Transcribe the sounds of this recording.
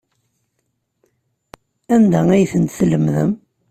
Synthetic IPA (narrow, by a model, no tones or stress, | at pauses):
ænd̪ææjθənt̪θləmðə̰m